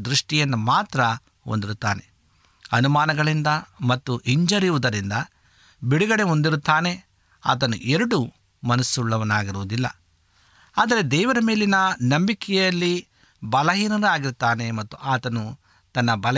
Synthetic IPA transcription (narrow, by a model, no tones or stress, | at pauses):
d̪ɾuʂʈijɐnːumaːt̪ɾɐ | ond̪iɾut̪ːaːne̞̰ | ɐnumaːnɐɡɐɭind̪ɐmɐt̪ːuʔiɲd͡ʒɐɾiʋud̪ɐɾind̪ɐ | biɽuɡɐɽe̞ond̪iɾut̪ːaːne̞ | a̰ːt̪̬ɐnṵʔeɾɐɽu | mɐnɐsuɭːɐʋɐnaːɡiɾuʋud̪ilːɐ̰ | aːd̪ɐɾe̞d̪ɛːʋɐɾɐmeːlinɐnɐmbikɛjɐlːi | bɐlɐɦiːnɐɾuaːɡiɾt̪ːaːne̞mɐt̪ːuʔaːt̪ɐnu | t̪ɐnːɐbɐlɐ